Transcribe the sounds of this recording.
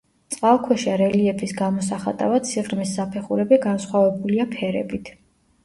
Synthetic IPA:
t̪sʼqʼalˠkʰwɛʃaɾɛliɛpʰisɡamɔs̬aχa̰t̪ʼa̰vad̪sʰiʁɾmisːapʰɛχuɾɛbiɡansχwavɛbuliapʰɛɾɛ̰bit̪ʰ

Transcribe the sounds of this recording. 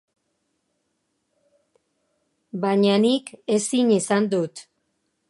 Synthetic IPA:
baɲanike̞siɲisand̪ut̪

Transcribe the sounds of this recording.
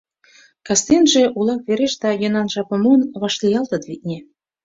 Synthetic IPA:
kɑst̪enʒĕʔulɑk̚βeɾeʃd̪ɑjɤnɑnʒɑpə̆munβɑʃlijɑlt̪ə̆d̪βit̪̚nʲe

